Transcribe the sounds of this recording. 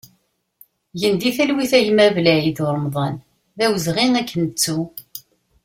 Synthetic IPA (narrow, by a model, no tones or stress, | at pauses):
jənd̪iθælwiθæjmævlæjiθʊɾˤəmðˤɑn | ðæwəzʁinækʰːənt͡sːu